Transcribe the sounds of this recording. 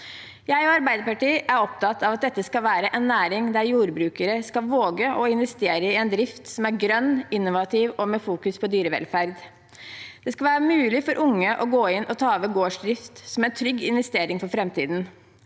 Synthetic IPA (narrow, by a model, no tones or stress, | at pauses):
jæɪɔɑɾbæɪd̪əɾpɑʈiːʔæɾɔpt̪ʰɑt̪ɑʋɑt̪̚d̪ɛt̪ːəskɑlʋæːɾəʔɛnːæːɾɪŋd̪æɾjuːɾbɾʉːkəɾəskɑʋoːɡəʔɔɪnʋɛst̪eːɾəɪɛnd̪ɾɪft̪sɔmæɾɡɾœnːɪnːʊʋɑt̪ʰɪʋɔmeːfuːkʉspʰɔd̪yːɾəʋɛ̰lfæɾd̪ | d̪̥ɛskɑlʋæːɾəmʉːlɪfɔɾʔʊŋːəʔɔɡoːɪnʔɔt̪ʰɑːʋəɡoːʂd̪ɾɪft̪sɔmænt̪ʰɾʏɡːɪnʋɛst̪eːɾɪŋfɔɾfɾɛmt̪ḭːd̪n